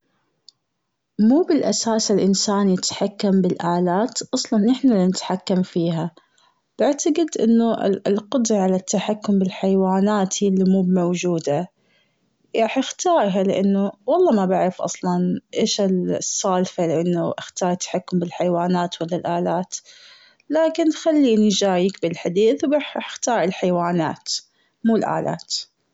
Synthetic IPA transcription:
muːbɪlʔasaːsɪlʔɪnsaːnjɪt̪ħakːambɪlʔaːlaːt̪ʔɑsˤlɑnʔɪħnalinɪt̪ħakːamfiːɦa | b̥ɪʕt̪aɡɪd̪ʔɪ̰nːʊʔlqʊd̪ɾˤɑʕalat̪ːaħakːʊmbɪlħajwaːnaːt̪hijlːimuːbmawd͡ʒuːd̪a | ʔaħʔɪxt̪ɑːɾˤɦalɪʔanːʊwɑlˤːɑːmabaʕɾɪfʔɑ̰sˤlɑnʔeːʃɪlsˤːɑːlfalɪʔanːaʔɪxt̪ɑːɾˤt̪ːḁħakːʊmbɪlħajwaːnaːt̪walːalʔaːlaːt̪ | laːkɪnxalːinid͡ʒaːjiːkbɪlħad̪iːθwbaːħɪħxt̪ɑːɾˤɪlħajwaːnaːt̪ | muːlʔa̰ːlʔa̰ːt̪

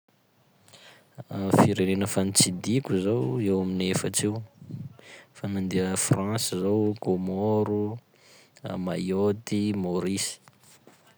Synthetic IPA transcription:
fiɾenenəfant͡sid̪ikʲuzowewaminefəʈ͡ʂew | fanand̪iəfrãnsizowkomoɾu | a̰majot̪imoɾisi̥

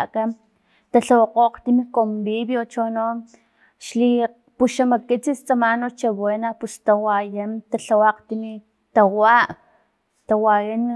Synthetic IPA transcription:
kan | t̪aɬawaqoqt̪imikombiβjot͡ʃono | ʃli | puʃamakit͡sist͡samanot͡ʃaβenapust̪awajant̪aɬawaqt̪imi | t̪awaʔ | t̪awajan

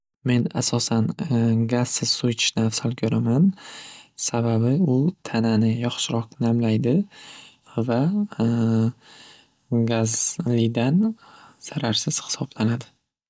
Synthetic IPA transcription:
me̞nasɒsanɡaz̥sɪz̥sojt͡ʃʰɪ̥nafsalkʲʰɵɾaman | sababɪʊt̪ʰananɪjɒχʃɪɾɒqnamlajd̪ɪ | va | ɡazlɪd̪anz̥aɾaɾsɪz̥hɪ̥sɒblanad̪ɪ

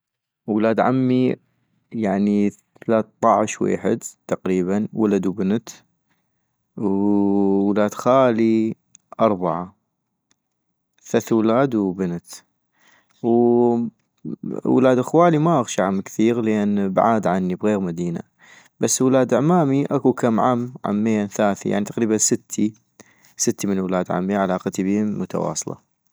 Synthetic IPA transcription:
wlaːd̪ʕa̰mːi | jaʕniθalaːt̪t̪ˤɑʕɪʃwḛːħɪ̰d̪t̪aqɾiːβanwalad̪wbɪnt̪ | w | wlaːd̪xaːli | ʔɑɾˤbaʕa | θaθwlaːd̪wbɪnt̪ | w | wlaːd̪ʔaxwaːlimaʔaɣʃaʕamkθiːɣlʔeːnbʕaːd̪ʕanːibɣeːɣmad̪iːna̰ | b̥asːwlaːd̪ɪʕmaːmiʔakukamʕamːʕa̰mːeːnθaːθḭja̰ʕnit̪ḁqɾiːbansɪt̪ʰːi | sɪt̪ːimɪnwlaːd̪ʕa̰mːiaʕalaːqt̪ibiːmʊt̪a̰wɑ̰ːsˤlɑ̰

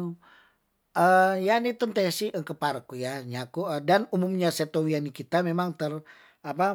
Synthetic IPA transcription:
əjanit̪ənt̪əasiʔəkəpaɾəkujaɲakuədanumumɲaset̪owianikit̪amemaŋt̪ər | apa

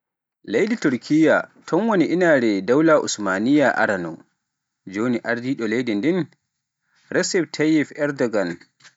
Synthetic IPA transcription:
lejdituɾkʰijatʰɔnwoniʔinaɾɛdawlaʔṵsmanijaʔa̰ɾanɔ̰ | d͡ʒoːniʔaɾdiɗɔlejdindɛn | ɾɛsɛb̚tʰajɛfɛɾdɔɡan

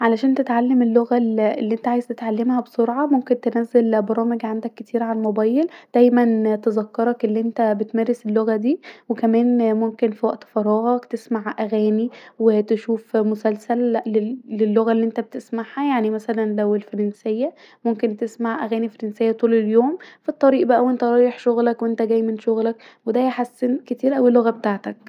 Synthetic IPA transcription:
ʕalæʃæːnt̪et̪ʕalːemelːoɣæelːiːʔent̪æʕaːjezt̪et̪ʕalːemhæbesoɾʕɑmomkent̪enæːzelbɑɾˤɑːmeɡʕand̪ækːet̪ʰiːɾʕalmobæːjeld̪̥æjmænt̪ezɑkːɑɾˤɑkʔelːiʔent̪æbet̪mæːɾeselːoɣæd̪iːwekæmæːnmomkenfiwæʔt̪fɑɾˤɑːɣɑkt̪esmaʕʔæɣæːniwet̪eʃuːfmosælsælːeːelːoɣælːiːʔent̪æbet̪esmaʕhæjaʕnimæsælænlæwelfɑɾˤɑnsejːæ | momkent̪esmaʕʔæɣæːnifɑɾensejːæt̪ˤuːleljoːmfit̪ˤːɑɾiːʔbæʔæwʔent̪æɾˤɑːjeħʃoɣlækwʔent̪æɡæjmenʃoɣlæk | wed̪æjæħasːenket̪iːɾʔæwilːoɣæbet̪aʕt̪æk̚

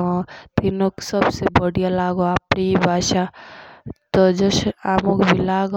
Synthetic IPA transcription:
t̪inoksəbsebəɽijalaɡoaːpnibʱaːʃa | t̪ɔd͡ʒəsamokbʱilaɡ

